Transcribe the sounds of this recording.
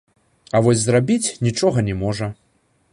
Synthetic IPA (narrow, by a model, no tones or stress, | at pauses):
ɐvɔsʲzrabʲit͡sʲnʲit͡ʂɔɣɐnʲɛmɔʐɐ